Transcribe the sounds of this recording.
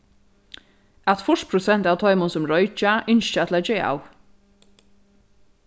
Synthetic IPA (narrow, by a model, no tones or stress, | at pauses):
at̪fʊʂtpʰɾʊsɛn̥t̪aːwt̪ʰɔʏmʊnsʊmɾɔjt͡ʃaɪnʃt͡ʃat̪ʰɪlat̪d͡ʒeːa̰w